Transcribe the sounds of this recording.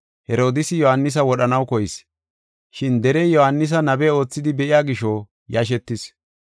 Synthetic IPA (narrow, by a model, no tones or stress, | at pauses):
hɛɾo̞ːd̪ɪsɪjɔhɐnːɪs̬ɐwɔɗɐnɐwkɔjɪs | ʃɪnd̪ɛɾejɔhɐnːɪs̬ɐnɐbɛo̞ːt͡sːɪd̪ɪbɛʔɪjaːɡɪʃɔ | jɐʃ̬ɛt̪ːɪs